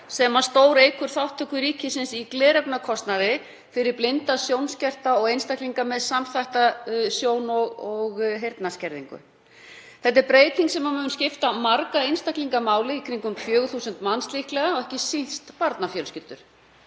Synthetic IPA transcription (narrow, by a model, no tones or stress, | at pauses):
sɛmḁst̪oːwɾejkʏɾ̥θawht̪ʰːœkʏɾiːcɪsɪnsiklɛːɾɛpnakʰɔst̪naðɪ | fɪɾɪɾplɪnt̪asjownscɛr̥t̪aɔɣejnst̪ahkliŋkamɛðsamθajht̪asjoːwnɔɣɔɣɦejɾt̪nascɛɾðiŋkʏ̰ | θɛt̪ːɛɾpɾeːjt̪niŋksɛmamʏːʏnscɪft̪amaɾkaejnst̪akliŋkamaːwlɪikʰɾiŋkʏmkʰfjœːɣθuːsʏnt̪manst̪lihklɛɣaɔɣɛhcɪsinst̪paɾt̪nafjœlscɪlt̪ʏɾ̥